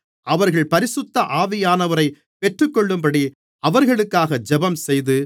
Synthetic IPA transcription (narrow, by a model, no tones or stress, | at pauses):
ʔɐʋɐɾɣɐɭpɐɾɪsʊt̪ːɐʔaːʋɪjaːnɐʋɐɾɐɪ | pɛʈrɯkːɔɭːɯmbɐɽi | ɐʋɐɾɣɐɭɯkːaːɣɐd͡ʒɛbɐmsɛjðɯ